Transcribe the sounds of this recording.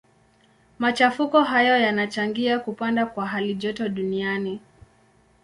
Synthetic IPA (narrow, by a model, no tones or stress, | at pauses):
mat͡ʃafukɔɦajɔjanat͡ʃaŋɡiakupandakwaɦaliʄɔtɔɗuniani